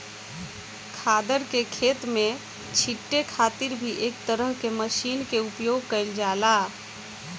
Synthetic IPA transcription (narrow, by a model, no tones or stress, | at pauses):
kʰaːd̪əɾkekʰeːt̪mẽ | t͡ʃʰiʈːekʰaːt̪iɾbʱiʔeːkt̪əɾəɦkeməʃiːnkeupjoːɡ̚kəɪld͡ʒaːla